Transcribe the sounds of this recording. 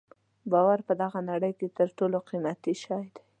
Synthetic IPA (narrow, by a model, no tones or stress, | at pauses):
bɑwaɾpəd̪aɣanaɽəjket̪əɾʈoloqimat̪iʃɑjd̪a